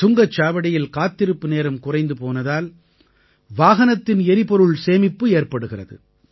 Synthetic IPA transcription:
tʊŋɡɐt͡ʃːaːʋɐɽɪjɪlkaːt̪ːɪɾɯpːɯneːɾɯmkʊrɐɪnd̪ɯpoːnɐðaːl | ʋaːɣɐnɐt̪ːɪnɛɾɪpɔɾɯɭseːmɪpːɯeːrpɐɽɯɣɪrɐðɯ̰

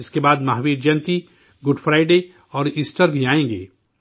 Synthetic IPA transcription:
ɪskebaːd̪maɦʋiːɖd͡ʒɐ̃nt̪i | ɡʊɖfʰɾaːɪɖe | ɔːɾiːsʈəɾbʱiaːẽːɡḛː

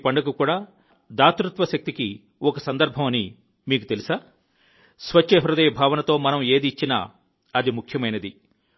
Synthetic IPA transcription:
pɐɳɖɐkukuːɽaː | d̪aːt̪ɾut̪ʋɐʃɐk̚t̪iki | ɔkɐsɐnd̪ɐɾbʱɐmɐni | miːkut̪e̞lisaː | sʋɐt͡ʃːeɦɾud̪ɐjɐbʱaːʋɐnɐt̪o̞ːmɐnɐme̞ːd̪iːt͡ʃːina̰ | ɐd̪imukʰjɐmɐjnɐd̪i

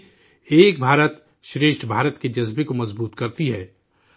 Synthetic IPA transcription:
eːk̚bʱaːɾət̪ | ʃɾeːʃʈʰbʱaːɾət̪ked͡ʒɐzbekomɐzbuːt̪kɐɾt̪iɦɛː

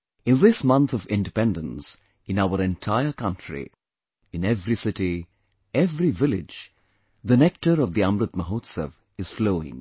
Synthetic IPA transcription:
ɪ̃nðɪsmʌ̃nt̪ʰɔvɪ̃nɖɪpɛ̃ndə̃ns | ɨ̃naʊəɾɛ̃ntʰaɪəɾkʌ̃ntʰɾḭ | ɨ̃nɛvɾisɪʈi | ɛvɾivɪlɪ̰d͡ʒ | ðənɛk̚ʈəɾɔvd̪iʌ̃mɾʊt̪̚məɦoːt̪səv | ɨz̥floːɪ̰̃ŋ

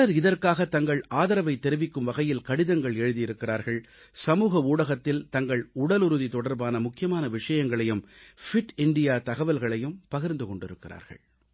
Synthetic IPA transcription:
ɐɐɾɪðɐɾkaːɣɐt̪ːɐŋɡɐɭaːðɐɾɐʋɐɪt̪ːɛɾɯʋɪkːɯmʋɐɣɐjɪlkɐɽɪðɐŋɡɐɭɛɻɯðɪjɪɾɯkːɪɾa̰ːɾɣɐɭ | sɐmuːɣɐuːɽɐɣɐt̪ːɪlt̪ɐŋɡɐɭʊɽɐlʊɾɯðit̪ɔɽɐɾbaːnɐmʊkːɪjɐmaːnɐʋɪʂɐjɐŋɡɐɭɐjɯmfɪʈɪɳɖɪjaːt̪ɐɣɐʋɐlɣɐɭɐjɯmpɐɣɪɾnd̪ɯkɔɳɖɪɾɯkːɪra̰ːɾɣɐ̰ɭ

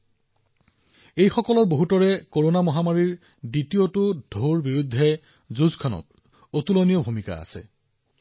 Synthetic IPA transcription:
ejxɔkɔlɔɹboɦutɔɹɛkoɹonamɔɦamaɹiɹ | ditiotʊdʱoɹbiɹud̪ʱːɛ | zuzkʰanɔ̰t̚ | otulonijɔbʱumika̰a̰sɛ̰

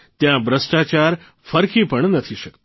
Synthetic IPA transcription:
t̪jãbɾəsʈat͡ʃaɾ | fəɾkipəɳnət̪ʰiʃəkt̪ḁ

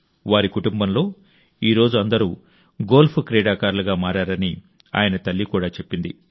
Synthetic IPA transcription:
ʋaːɾikuʈumbɐmlo̞ː | iːɾo̞ːd͡ʒuɐnd̪ɐɾuː | ɡo̞ːlpʰukɾɛːɽaːkaːɾluɡaːmaːɾaːɾɐni | a̰ːjɐnɐt̪ɐlːikuːɽaːt͡ʃe̞pːind̪ḭ

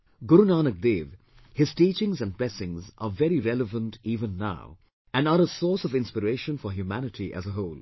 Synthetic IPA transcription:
ɡʊɾunaːnək̚d̪eːʋ | hɪz̥ʈiːt͡ʃɪ̃ŋzæ̃nɖ̚blɛsɪ̃ŋza̰ːvɛɾiɾɛləvə̃nʈiːvə̃nːa̰ʊ | æ̃naɾəsɔːɾsɔvɪ̃nspəɾeːʃə̃nfɔɦjumænɪʈʰiʔæ̰zəɦoːl

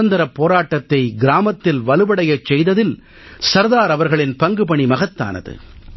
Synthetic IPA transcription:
ɐnd̪ɐɾɐpːoːɾaːʈːɐt̪ːɐɪɡɪɾaːmɐt̪ːɪlʋɐlɯbɐɽɐjɐt͡ʃːɛjðɐðɪl | sɐɾðaːɾɐʋɐɾɣɐɭɪnpɐŋɡɯpɐɳimɐɣɐt̪ːa̰ːnɐ̰ðɯ̰

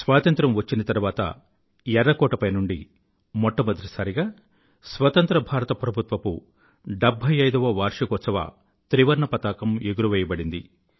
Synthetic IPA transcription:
sʋaːt̪ɐnt̪ɾɐmʋɐt͡ʃːinɐt̪ɐɾuʋaːt̪ɐ̰ | ɛɾɐkɔːʈɐpɐjnuɳɖi | mɔʈːɐmɐd̪ɐɾisaːɾiɡaː | sʋɐt̪ɐnt̪ɾɐbʱaːɾɐt̪ɐpɾɐbʱut̪ʋɐpu | ɖebʱːɐjɐjd̪ɐʋɐʋaːɾʂɐkɔt̪sɐʋɐ̰ | t̪ɾiʋɐɾɳɐpɐt̪aːkɐmeɡuɾuʋɛːjɐbɐɽind̪ḭ

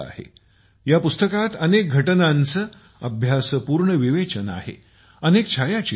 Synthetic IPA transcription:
a̰hḛ | japust̪əkat̪ənek̚ɡʱəʈənant͡sə | əbʱjasəpuːɾɳəʋiʋet͡ɕəna̰ɦḛ | ənek̚t͡ɕʰajat͡ɕi

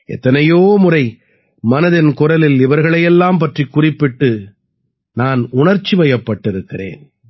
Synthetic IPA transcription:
ɛ̰t̪ːɐnɐjoːmʊrɐɪ | mɐnɐðɪnkʊrɐlɪlɪʋɐɾɣɐɭɐjɛlːaːmpɐʈrikːʊrɪpːɪʈːɯ | naːnʊɳɐɾt͡ʃːiʋɐjɐpːɐʈːɪɾɯkːɪrḛːn

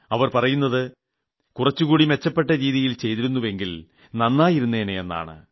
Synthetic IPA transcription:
ɐʋɐrpɐrɐjunːɐðɨ | kurɐt͡ɕːukuːɽime̞t͡ɕːɐpːe̞ʈːɐɾiːðijilt͡ɕe̞jt̪iɾunːuʋe̞ŋɡil | nɐnːaːjiɾunːeːneenːa̰ːɳɨ̰

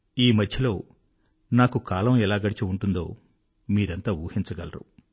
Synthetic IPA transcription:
iːmɐd̪ʱjɐlo̞ː | naːkukaːlɐmɛlaːɡɐɽit͡ʃiuɳʈund̪o̞̰ː | miːɾɐnt̪aːuːhint͡ʃɐɡɐlɐɾṵ

